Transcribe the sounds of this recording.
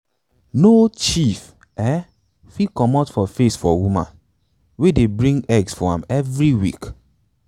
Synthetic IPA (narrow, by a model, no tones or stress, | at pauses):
not͡ʃif | ɛ | fikɔmɔtfɔfesfɔwumã̰n | wedebɹĩŋɡɛɡsfɔã̰mɛvɾiwik